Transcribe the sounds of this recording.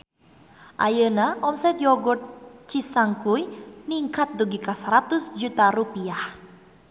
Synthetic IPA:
ʔa̰jənaʔɔmsɛt̪jɔɡɔt̪̚t͡ʃisaŋkujniŋkat̪̚d̪uɡikasaɾat̪usd͡ʒut̪aɾupiah

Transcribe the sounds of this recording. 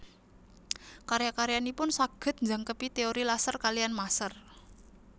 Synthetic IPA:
kaɾjakaɾjanipʊnsaɡ̥ə̤t̪̚ɲd͡ʒa̤ŋkəpit̪eoɾilasərkalijanmasər

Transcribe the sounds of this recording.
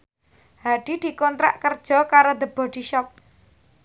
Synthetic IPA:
haɖ̥i̤d̪̥i̤kɔnt̪ɾa̰ʔkərd̥ʒ̥ɔ̤kaɾod̪ə̤b̥ɔ̤ɖ̪̥iʃɔk̚

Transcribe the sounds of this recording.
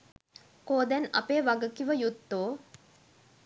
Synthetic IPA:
koːd̪ænɐ̰peːʋaɡəkiʋəjut̪ːoː

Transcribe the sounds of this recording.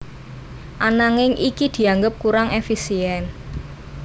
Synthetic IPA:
ʔanaŋɪŋʔikid̪̥i̤aŋɡəp̚kuɾaŋʔefisiɛn

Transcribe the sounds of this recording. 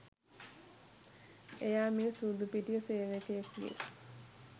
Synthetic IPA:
ejaːmisuːd̪upiʈijəseːʋekejeklḭ

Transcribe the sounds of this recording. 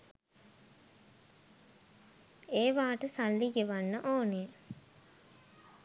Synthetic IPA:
eːʋaːʈəsalːiɡeʋanːəʔoːnejə

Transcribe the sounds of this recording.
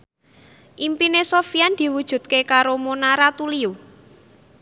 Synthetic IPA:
ʔimpinesofiand̪̥i̤wud̥ʒ̥ṳt̪̚kekaɾomonaɾat̪uliu

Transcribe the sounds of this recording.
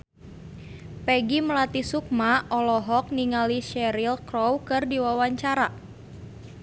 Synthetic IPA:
pɛɡiməlat̪isuk̚maʔɔlɔɦɔk̚niŋaliʃɛɾilkɾɔwkɨrdiwawaɲt͡ʃaɾa

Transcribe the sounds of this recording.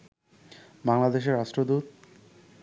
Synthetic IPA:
baŋlad̪eʃ̬eɾaʃʈɾod̪ut̪̚

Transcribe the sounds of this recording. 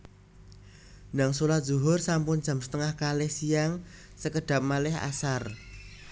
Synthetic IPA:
naŋsolḁz̥uɦʊrsampʊnd͡ʒ̥a̤msə̥t̪əŋahkalɪhsijaŋ | səkəɖ̥ä̤p̚malɪha̰sar

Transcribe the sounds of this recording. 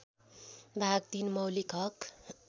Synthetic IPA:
b̪ʱaɡ̚t̪inmʌwlikʰʌk

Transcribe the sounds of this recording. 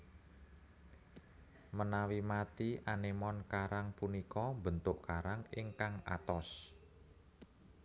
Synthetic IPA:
mənawimat̪iʔanemɔnkaɾaŋpunikɔmbənt̪ʊʔkaɾaŋɪŋkaŋa̰t̪ɔs

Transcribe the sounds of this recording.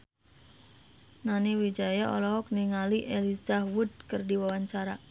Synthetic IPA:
naniwid͡ʒajaʔɔlɔɔk̚niŋaliʔelizahwud̪̚kərdiwawaɲt͡ʃaɾa

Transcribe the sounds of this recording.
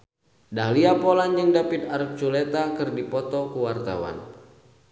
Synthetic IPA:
dahliapɔland͡ʒəŋdapit̪̚aɾip̚t͡ʃulet̪akɨrdipɔt̪ɔkuwart̪a̰wa̰n

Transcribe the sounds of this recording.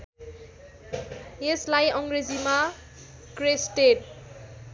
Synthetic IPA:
jeslajʌŋɡɾezima | kɾesʈeʈ̚

